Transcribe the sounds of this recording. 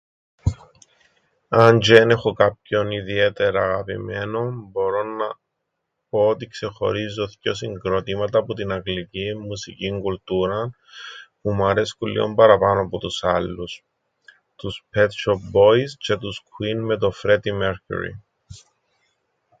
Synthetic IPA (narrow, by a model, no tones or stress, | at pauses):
ɐnd͡ʒenexokap̚ço̞niðie̞t̪e̞ɾɐːɣɐpḭme̞no̞mbo̞ɾo̞nɐ | po̞ot̪ikse̞xo̞̰ɾizːoθco̞siŋɡɾo̞t̪imɐt̪ɐːpot̪inɐɡliciːusḭciŋɡult̪uɾɐn | pumuɐɾe̞skulːḭombɐɾɐpɐnoɐpot̪usɐlːus | t̪uspet̪ʃop̚bo̞iscet̪uskwinme̞t̪̬o̞fɾe̞t̪imeɾcṵɾḭ